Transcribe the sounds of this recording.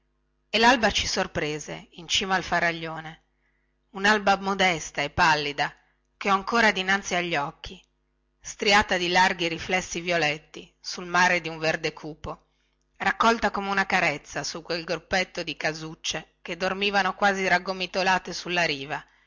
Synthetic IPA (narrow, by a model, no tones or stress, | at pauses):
elalbat͡ʃi̥sorpɾeːzḛint͡ʃiːmaːlfaɾaʎːoːne | unalbamod̪ɛst̪aepːalːid̪a | keɔaŋkoːɾad̪inant̪siaʎːɔkːi | st̪ɾiaːt̪ad̪ilarɡiɾiflɛsːivjolɛt̪ːi | sulmaːɾed̪iuɱverd̪ekʰuːpo | rakːɔlt̪akomeunakaɾet̪sːasukwelɡɾupːet̪ːod̪ikazut͡ʃːeked̪ːormiːvanokwaːziɾaɡːomit̪olaːt̪esulːaɾiːva